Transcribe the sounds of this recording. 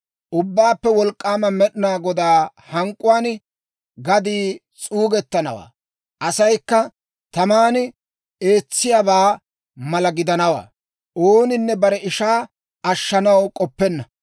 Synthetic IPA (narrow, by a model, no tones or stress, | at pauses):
ʔʊbːaːpːɛwɔlkʼːaːmɐmɛɗɪnaːɡɔd̪aː | hɐŋkʼːʊwaːn | ɡɐd̪iː | t͡sʼuːɡɛt̪ːɐnɐwa̰ː | ʔɐsɐjkːɐ | t̪ɐmaːn | e̞ːt͡sːɪjabaː | mɐlɐɡɪd̪ɐnɐwa̰ː | ʔoːnɪnːɛbɐɾɛɪʃaː | ɐʃːɐnɐwkʼɔpːɛnːɐ